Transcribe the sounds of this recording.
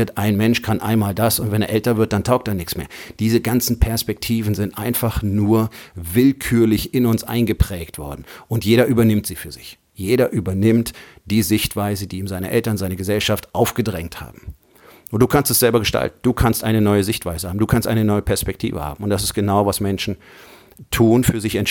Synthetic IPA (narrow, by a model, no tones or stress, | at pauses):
ɐtʔaɪnmɛnʃkʰanʔa̰ɪnmaːldasʊntv̥ɛneːɐʔɛltɐvɪɐt̚d̥antʰaʊk̚tdeːɐnɪçt͡smḛːɐd̥iːzəɡant͡sn̩pʰɛɐspɛk̚tʰiːvn̩zɪntʔaɪnfaχnuːɐvɪlkʰyːɐlɪçɪnʊnsʔa̰ɪnɡəpʁ̥ɛːktv̥ɔ̰ɐdn̩ʔʊntjeːɾɐʔyːbɐnɪmtz̥iːfyːɐzɪ̰ç | jeːɾɐʔyːbɐnɪmtd̥iːzɪçtv̥aɪzədiːmzaɪnəʔɛltɐnzaɪnəɡəzɛlʃaftʔaʊfɡ̥ədʁɛŋtha̰ːbm̩ | ʊnd̥uːkʰanstɛsz̥ɛlbɐɡəʃta̰ltn̩d̥uːkʰanstʔaɪnənɔʏəzɪçtv̥aɪzəhaːm̩duːkʰanstʔaɪnənɔʏəpʰɛɐspɛk̚tʰḭːvə̰ha̰ːbm̩ʊntd̥as̬ɪst̚ɡ̥ənaʊvasmɛnʃn̩ | tʰuːnfyːɐzɪçɛn